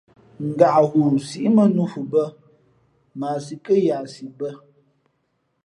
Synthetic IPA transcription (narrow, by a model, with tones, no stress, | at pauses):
ŋ̩˨ɡa˨ʔɣu˨si˦ʔmə˦nu˦fu˨bə˦ | maː˨si˨kə˦ja˨si˨bə˦